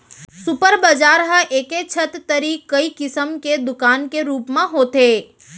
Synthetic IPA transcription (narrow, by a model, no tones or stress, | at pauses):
sʊpəɾbəd͡ʒaːɾɦə̃ʔeːket͡ʃʰət̪t̪əɾiːkːɐikɪsəmked̪ʊkaːnkeɾuːpmẽɦoːt̪eː